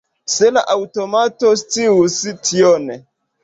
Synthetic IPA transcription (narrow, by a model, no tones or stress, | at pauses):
sela̰ʔawtomatostiusitʰione